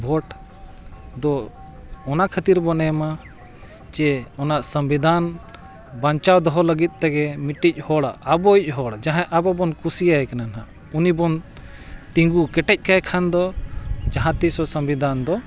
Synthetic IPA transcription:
bʱɔʈ | d̪ɔ | ɔnakʰat̪iɾbɔnɛma | t͡ʃɛɔnaʔsəmbid̪ʱan | baɲt͡ʃawd̪ɔɦɔləɡit̪̚ˀt̪aɡɛmiʈːic̚ˀhɔɽaːbɔic̚ˀɦɔɽd͡ʒãɦãʔabɔbɔnkusijaɛkananɦa | unibɔn | t̪ĩŋɡukɛʈɛc̚kajkʰand̪ɔd͡ʒaɦãt̪isɔsəmbid̪ʱand̪ɔ

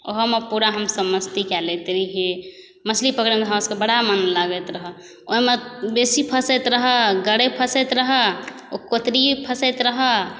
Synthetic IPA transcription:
o̰ɦmepuɾaɦəmsəbməst̪ikɛlet̪ɾiɦe | məslipəkɾimd̪ʱɦaskebəɽamənlaɡət̪ɾəɦə | oɦmebesipʰəsɛt̪ɾəɦəɡəɽepʰəsɛt̪ɾəɦə | okot̪ɾipʰəsɛt̪ɾəɦə

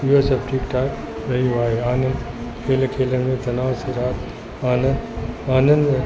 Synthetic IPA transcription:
iɦosɐp̚ʈiːkʈaː | ɾɐɦiũaːɦeaːnən | kʰeːlkʰeːlənmẽːt̪ɐnaːsiɾaːt̪ | aːnəaːnə̃nd̪

